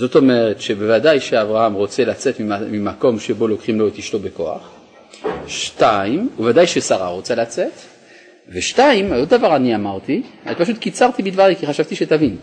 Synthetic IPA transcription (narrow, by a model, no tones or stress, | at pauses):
zo̞t̪o̞me̞ʁetʃe̞bevadajʃeavʁahamʁo̞t͡se̞lat͡se̞tmiamimako̞mʃe̞bo̞lo̞kχimlo̞etiʃto̞be̞ko̞a̰χ | ʃtaimuvadajʃesaʁa̰ʁo̞t͡salat͡se̞t | veʃtaimod̚davaʁaniamaʁt̪ia̰ipaʃut̪kit͡saʁt̪ibid̪vaʁikiχaʃavt̪iʃet̪avin